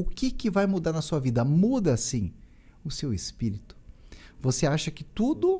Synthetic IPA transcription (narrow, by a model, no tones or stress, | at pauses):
ʊkɪkɪvajmud̪aɾnɐsuɐvid̪ɐmud̪ɐːsĩ | ʊsewespiɾit̪ʊ̥voseaʃɐkɪt̪ud̪ʊ